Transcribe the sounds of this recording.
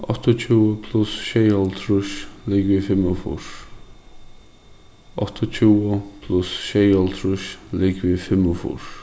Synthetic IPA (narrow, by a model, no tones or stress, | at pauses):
ɔ̰t̪ʰət͡ʃʰuːəpʰlʊsʃejɔlt̪ʰɾʊʃlɪɡviːfɪməfṵɹ | ɔt̪ʰət͡ʃʰuːəpʰlʊsʃejɔlt̪ʰɾʊʃlɪɡviːfɪməfṵɹ